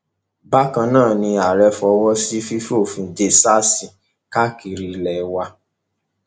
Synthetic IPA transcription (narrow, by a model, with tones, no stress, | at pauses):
ba˦kã˧nãː˦˨nĩ˧a˨ɾɛ˧fɔ˧wɔ˦si˦fi˦fo˦˨fĩ˧d͡ʒe˧˦sa˦sĩ˨ | ka˦ki˧ɾi˧lɛ˨˦wa˧